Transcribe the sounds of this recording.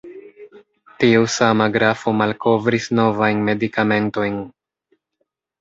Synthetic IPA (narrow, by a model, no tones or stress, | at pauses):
tiusamaɡɾafo̞malkʰo̞vɾisno̞vajnme̞dikame̞nto̞jn